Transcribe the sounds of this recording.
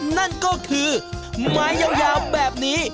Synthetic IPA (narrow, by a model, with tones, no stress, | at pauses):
na˥˩nkɔː˥˩kʰɯː˧maː˦˥jːaː˧wjaː˧wbɛː˨˩p̚niː˦˥